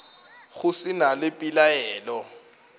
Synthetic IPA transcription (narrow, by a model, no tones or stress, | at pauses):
ɣʊsɪnalɪpʼilajɛːlɔ